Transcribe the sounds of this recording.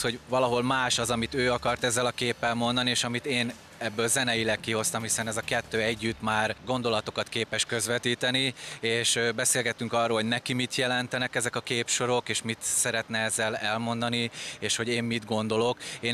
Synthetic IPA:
ho̞ɟvɒlɒɦo̞lmaːʃɒzɒmit̪øːɒkɒrt̪ɛzːɛlɒkeːpːɛlmo̞nd̪ɒnieːʃɒmit̪eːn | ɛbːøːlzɛnɛjilɛkːiɦo̞st̪ɒmhisɛnɛzɒkɛt̪ːøːɛɟːyt̪maːrɡo̞nd̪o̞lɒt̪o̞kɒt̪keːpɛʃkø̞zʋɛt̪iːt̪ɛnieːʃbɛseːlɡɛt̪ːyŋkɒrːoːlɦo̞ɟnɛkimit̪jɛlɛnt̪ɛnɛkɛzɛkɒkeːpʃo̞ɾo̞keːʃmit̪sɛɾɛt̪nɛɛzːɛlɛlmo̞nd̪ɒnieːʃho̞ɟeːmːid̪ɡo̞nd̪o̞lo̞keː

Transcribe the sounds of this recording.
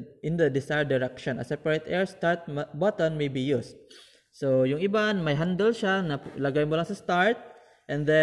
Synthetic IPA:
ʔɪ̃nd̪ɐd̪ɪsajɹd̪ɪɹɛkʃɔ̃nɐ̰sɛpaɹɛt̪ʰʔɛɹst̪aɹt̪̚mbat̪ɔnmejbijust̪̚ | sojʊŋɪbanmɐjɦand̪ɛlʃanɐlɐɡajmʊlaŋsɐst̪aɹt̪̚ | ʔɛ̃nd̪ɛ

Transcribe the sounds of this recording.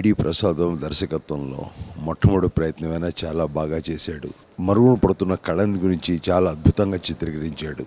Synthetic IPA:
ɽiːpɾʔɐsaːd̪ɐmd̪ɐɾʃɐkɐt̪ʋɐmlo̞̰ːmɐʈʰːɐmuɽupɾɐjɐt̪nɐmɐjnaːt͡ʃaːlaːbʱaːɡaːt͡ʃeːsaːɽṵ | mɐɾuɡuɳupɐɽut̪unːɐkɐɭɐniɡuɾiɲt͡ʃit͡ʃaːlaːɐd̪̚bʱut̪ɐŋɡaːt͡ʃit̪ɾikɐɾiɲt͡ʃaːɽu

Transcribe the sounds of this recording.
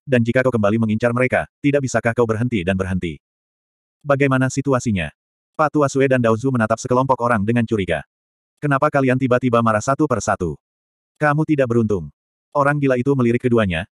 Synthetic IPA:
dand͡ʒikakawkəmbaliməŋiɲt͡ʃarməɾeka̰t̪idaʔ̚bisakahkawbərɦənt̪idanbərɦənt̪ḭ | baɡajmanasit̪uasiɲa̰ | pat̪uasuedandauzumənat̪ap̚səkəlɔmpɔkoɾaŋdəŋant͡ʃuɾika̰ | kənapakaliant̪ibat̪ibamaɾasat̪upərsat̪u | kamut̪idaʔ̚bəɾunt̪ʊŋ | oɾaŋbilait̪uməliɾɪkːəduaɲa̰

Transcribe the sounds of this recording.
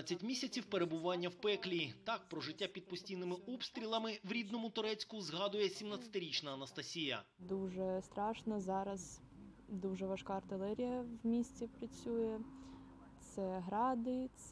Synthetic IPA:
t͡sʲːɐtʲmʲisʲɐt͡sʲiwpeɾe̞bʊʋɑnʲːɐwpɛklʲiːt̪ɑk̚pɾɔʒɪtʲːapʲid̪̚pɔsʲtʲijnɪmɪɔpst̪ɾʲilˠɐmɪʋɾʲid̪nɔmʊt̪ʊɾɛt͡sʲkʊzɦɑd̪ʊjɛsʲimnat͡sʲsʲɐ̥t̪ɪɾʲit͡ʃnɐːnɐst̪ɐsʲijɐ̰ | d̪uʒɛst̪ɾɑʃnɐzɑɾɐz | d̪uʒɛʋɐʃkɑɐrt̪ɪlˠɛɾʲijɐwmʲisʲt͡sʲipɾɐt͡sʲujɛ | t̪sɛɦɾɑd̪ɪt̪s

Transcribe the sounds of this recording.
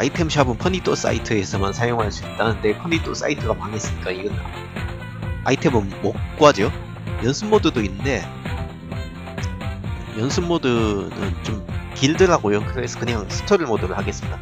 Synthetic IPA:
aitʰemɕʰabɯnpʰʌnitʰos͈a̰itʰɯe̞sʰʌmansʰajoŋɦaɭs͈uit͈anɯndepʰʌnitʰos͈a̰itʰɯɡamaŋe̞s͈ɯɲik͈aiɡʌn | a̰itʰe̞mɯnmok̚k͈uad͡ʑo | jʌnsʰɯmmodɯdoinːɯnde̞ | jʌnsʰɯmmodɯnɯ̰nt͡ɕomkiɭdɯɾɦaɡojokɯɾe̞sʰʌkɯɲaŋsʰɯ̥tʰoɾɯɭmodɯɾɯɭhaɡe̞s͈ɯmida

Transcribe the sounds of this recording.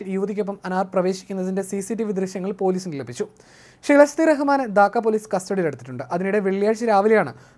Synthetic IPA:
juʋðikʲːo̞p̬ːɐmɐnaːrprɐʋe̞ːɕi̥kʲːunːɐðinde̞sisiʈ̬ːiʋid̪rɨɕjɐŋːɐɭpo̞ːliːsinilɐpːit͡ɕːu | ʂilɐst̪iɾɐɦɐmaːnɐd̪aːkːɐpoːliːskɐstoɽile̞ɽut̪ːiʈːuɳɖɨʔɐðinuɽe̞ʋeɭjaːɻɕiɾaːʋiljaːɳɨ̰

